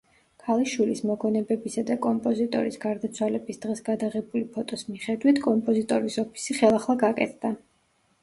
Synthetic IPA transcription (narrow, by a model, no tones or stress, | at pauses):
kʰalˠiʃwilismɔɡɔnɛbɛbisad̪akʼɔmpʼɔzit̪ʼɔ̰ɾisɡaɾd̪at̪sʰwalɛbisd̪̥ʁɛsɡad̪aʁɛbulipʰɔt̪ʼɔsmiχɛd̪wit̪ʰkʼɔmpʼɔzit̪ʼɔɾisɔpʰi̥siχɛlˠaχlˠaɡakʼɛ̰t̪ʰd̪̥a